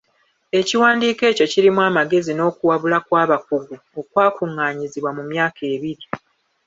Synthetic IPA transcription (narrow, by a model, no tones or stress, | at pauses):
e̞ciwaːndiːke̞ːco̞ciɾimwaːmaɡe̞zino̞ːkuwaβulakwaːβakuɡu | o̞kwaːkuŋːaːɲiziβwamumjaːkʰe̞ːβiɾi